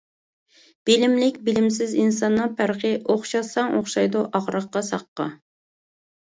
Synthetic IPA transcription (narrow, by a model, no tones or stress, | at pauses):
b̥ilɪmlɪkʲbɪlɪmsɪzins̬ɑnːɨpʰæɾqɪʔoχʃɑsɑŋoχʃɑjd̪uʔɑʁɾəqːɑsɑ̰qːɑ̰